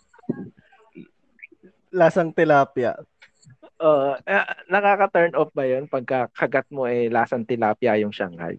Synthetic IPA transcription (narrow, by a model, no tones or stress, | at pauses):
laːsɐŋt̪ɪlaːpja̰ | ʔoʔaʔnɐkaːkɐt̪ɛɹnʔofbɐjonpɐɡ̚kɐkʰɐɡat̪̚moʔɛlaːsɐŋt̪ɪlaːpjajʊŋʃa̰ŋha̰j